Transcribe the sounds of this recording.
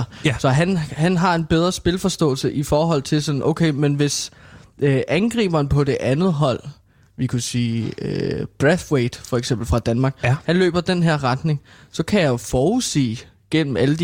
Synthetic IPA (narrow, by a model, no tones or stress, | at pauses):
sɒ̽ɦænhænɦɑ̈e̝nb̥eð̞ˠʁɐsb̥e̝lfɒ̽sd̥ɔ̰̽ːl̩səʔifɒːɦɒ̽l̰t͡sʰe̝lsɒ̽nʔoʊkʰeɪmenʋe̝sʔʔænɡ̥ʁḭːb̥ɐnpʰɒ̽de̝ʔænð̞̩ˠɦɒ̽l̰ | ʋikʰusiːøb̥ʁeθweɪd̥fɒ̽eɡ̥sem̰b̥l̩fʁɑ̈d̥ænmɑ̈ɡ̥hænlø̰ːb̥ɐd̥enɦeɐ̰ʁɑ̈d̥ne̝ŋ | sɒ̽kʰæjɑ̈ofɒːusḛː | ɡ̥en̰m̩æləd̥